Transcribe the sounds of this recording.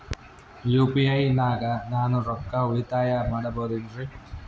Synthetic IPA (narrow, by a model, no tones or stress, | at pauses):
juːpiɐjnaːɡɐnaːnuɾɔkːauɭit̪aːjɐmaːɽɐboːd̪indɾi